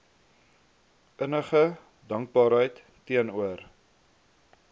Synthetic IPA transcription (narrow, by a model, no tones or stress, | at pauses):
ʔənəχə | dɐŋk̚bɑːɾɦəjtːiənuər